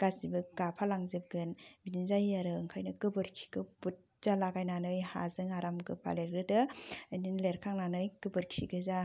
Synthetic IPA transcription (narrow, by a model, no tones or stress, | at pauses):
ɡ̥asibɯɡapʰalaŋzep̚ɡɯnbininzajaɾɯŋkʰajnɐɡɯbɯɾkʰi̥ɡɯbut̚ | z̥alaɡajnanɯjha̰zɯŋaɾamɡɯpʰa̰leɾɡɯdɯninleɾkʰaŋnanɯjkɯbɯɾkʰiɡɯza